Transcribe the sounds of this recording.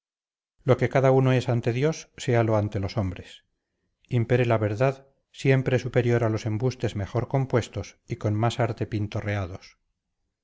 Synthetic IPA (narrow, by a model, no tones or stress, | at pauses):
lo̞ke̞kaðaunoe̞sant̪e̞ðjo̞sːe̞alo̞ant̪e̞lo̞so̞mbɾe̞s | impe̞ɾelaβe̞ɾðað | sje̞mpɾesupe̞ɾjo̞ɾalo̞se̞mbust̪e̞zme̞χo̞ɾko̞mpwe̞st̪o̞siko̞nmasaɾt̪e̞pint̪o̞re̞aðo̞s